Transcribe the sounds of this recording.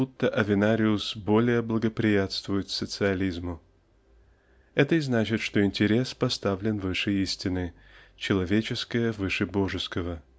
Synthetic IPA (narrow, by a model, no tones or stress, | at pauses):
ut̪ːəʔɐvʲɪnaɾʲɪʊsbo̞lʲɪjəblˠəɡəpɾʲɪjat̪st̪vʊjʊt̪sət̪sɨɐlʲizmʊ | ɛt̪əɪznat͡ɕɪt̪ʂt̪o̞ɪnʲtʲɪɾʲe̞spɐst̪avlʲɪnvɨʂəjisʲtʲɪnɨ | t͡ɕɪlˠɐvʲet͡ɕɪskəjəvɨʂɨbo̞ʐɨskəvə